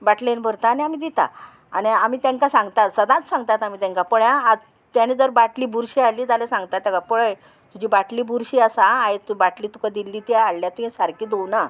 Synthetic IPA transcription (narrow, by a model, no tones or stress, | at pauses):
baʈlenbʱəɾt̪aːniamiːd̪it̪a̰ | aniamiːt̪ãŋkasãŋɡt̪at̪səd̪ãt͡ssãŋɡt̪at̪amit̪ãŋkapəɭjãad͡z | t̪janid͡zəɾbaʈliːbʱuɾɕiːaɭlːiːd͡z̪alesãŋɡt̪at̪ːjãkapəɭəj | t̪ud͡ʑibaʈliːbʱuɾɕiːasãːet̪ubaʈliːt̪ukad̪ilːit̪aaɭljat̪uɦɛ̃saɾkiːd̪owna